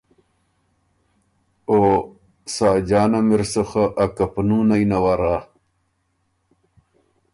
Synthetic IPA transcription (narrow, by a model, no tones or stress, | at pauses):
oː | saːd͡ʑaːnɐmiɾsoxaʔːkɐpnuːnajnɐwaɾaː